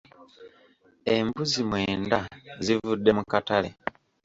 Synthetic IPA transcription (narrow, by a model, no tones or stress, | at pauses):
e̞mbuzimwe̞ːndazivudːe̞mukatalḛ